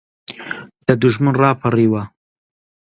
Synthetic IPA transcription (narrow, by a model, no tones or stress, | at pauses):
d̪̥ad̪ʊʒmanrɑːpʰaɾiwa